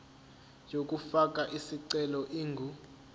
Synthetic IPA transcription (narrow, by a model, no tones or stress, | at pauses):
jok̬ʼufakʼaʔisiǀɛlɔʔiːŋɡʱu